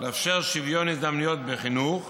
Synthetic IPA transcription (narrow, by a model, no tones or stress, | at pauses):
leafʃeʁʃivjonizamnijot̪̚beχinuχ